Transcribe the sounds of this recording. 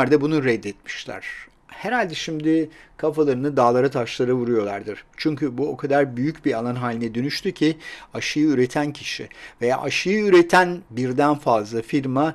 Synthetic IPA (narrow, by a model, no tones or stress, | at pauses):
ɾd̪abunuɾɛd̪ːɛt̪mi̥ʃlʲæ̰ɾ̥ | hɛɾalʲd̪ɛʃimd̪ɪkʰafalˠaɾɯnɯd̪aːlˠaɾat̪ʰaʃlˠaɾɯvuɾujo̞lˠaɾd̪ɯɾ̥t͡ʃʰyɲcybuo̞kʰad̪aɾbyjycbialˠanɦaːlʲinɛd̪ønyʃt̪ʰycʰiaʃɯjɯyɾe̞t̪ʰæncʰiʃɪ̰veja̰ːʔaʃɯjɯyɾet̪ʰænbiɾd̪ænfazlˠafiɾma